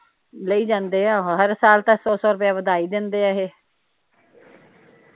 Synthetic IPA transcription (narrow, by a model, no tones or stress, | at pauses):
ləiːd͡ʒãːnd̪eːãːɦəɾsaːlt̪aːsɔːsɔːɾʊp̬jaːʋəd̪aːiːd̪ɪnd̪eːaːɦeː